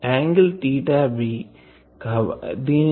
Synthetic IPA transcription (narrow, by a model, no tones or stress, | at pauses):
ɛːŋɡəlʈiːʈaːbi | kad̪i